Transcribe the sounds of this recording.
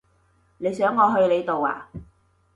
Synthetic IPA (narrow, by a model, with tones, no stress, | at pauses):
ne˨˧jsœː˨˥ŋːɔː˨˧ɦɵ˧ɥle˨˧jt̪o˨wa̰ː˨